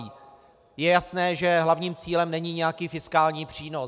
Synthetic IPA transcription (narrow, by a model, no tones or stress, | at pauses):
iː | jɛjasnɛːʒɛɦlavɲiːmt͡siːlɛmnɛɲiɲɛjakiːfɪskaːlɲiːpr̝̥iːno